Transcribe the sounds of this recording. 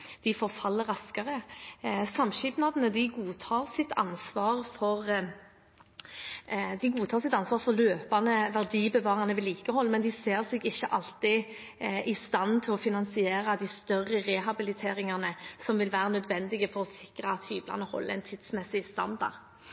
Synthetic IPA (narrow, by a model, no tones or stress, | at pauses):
d̪̥ɪfɔɾfɑlːəɾɑskɑʁə | sɑmʃɪpnɑd̪ənəd̪ɪɡuːt̪ʰɑːɾsɪt̪ʰɑ̰nsʋɑːʁfɔʁ | d̪ɪɡuːt̪ʰɑːʁsɪt̪ɑnsʋɑːʁfɔløːpɑnəʋæʁd̪iːbəʋɑːʁɑnəʋɪliːkəhɔlːmɛnd̪ɪseːʁsɛɡɪçːəʔɑlt̪ɪ | ʔɪst̪ɑnt̪ʰɪlɔfɪnɑnsɪeːɾɑd̪ɪst̪œrʁːəʁɛɦɑbɪlɪt̪ʰeːɾɪŋɑnəsɔmʋɪlʋæːɾənœd̪ʋɛnd̪ɪɡəfɔɾɔsɪkɾəɑt̪hyːblɑ̰nəhɔ̰lːəɛ̰nt̪ʰɪd̪̥smɛsɪst̪ɑ̰nd̪ɑ̰ʁ